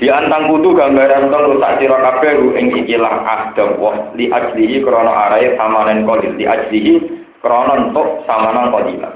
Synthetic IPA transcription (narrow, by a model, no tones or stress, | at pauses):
d̪̥i̤ʔant̪aŋkut̪uɡ̥a̤mbaɾant̪ɔnluʔsa̰ʔt͡ʃiɾɔkab̥ɛ̤ɾuʔɪ̰ŋikilaha̰d̪̥ə̤mwɔhliʔḁd͡ʒliɦikəɾɔnɔ̰ʔaɾaɪsamanɛnkɔlit̪̚liʔḁd͡ʒliɦi | kəɾɔnɔnt̪ʊʔsamanaŋkɔlila̰